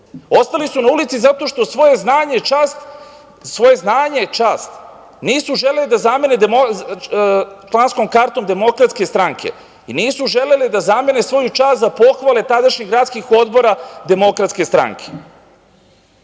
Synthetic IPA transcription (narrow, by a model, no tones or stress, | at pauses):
o̞st̪alisunaulit̪sizat̪o̞ʃt̪o̞sʋojeznaːɲet͡ʃaːst̪ | sʋo̞je̞znaːɲet͡ʃaːst̪ | niːsuʒe̞lelid̪azamened̪emo | t͡ʃlˠansko̞mkaɾt̪o̞md̪e̞mo̞kɾat̪ske̞st̪ɾaŋkʰe̞̰ | iniːsuʒe̞le̞lid̪azame̞nesʋo̞jut͡ʃaːst̪zapo̞xʋale̞t̪ad̪aʃɲeɡɾaːt̪skixo̞d̪bo̞ɾad̪e̞mo̞kɾat̪ske̞st̪ɾa̰ŋkʰe̥